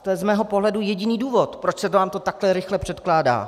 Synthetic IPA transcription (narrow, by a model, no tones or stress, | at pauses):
t̪ojɛzmɛːɦo̞poɦlɛdujɛɟɪniːduːvo̞t̪pɾot͡ʃsɛt̪vaːmt̪o̞t̪aklɛɾɪxlɛpr̝̥ɛt̪klaːda̰ː